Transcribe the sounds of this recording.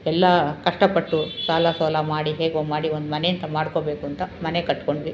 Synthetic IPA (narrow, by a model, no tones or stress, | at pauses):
ɛlːɐkɐʂʈɐpɐʈːusaːlasɐlɐmaːɽiɦeːɡomaːɽiond̪umɐne̞jɐnt̪ɐmaːɽko̞beːkuɐnt̪ɐmɐne̞kɐʈːko̞ɳɖidi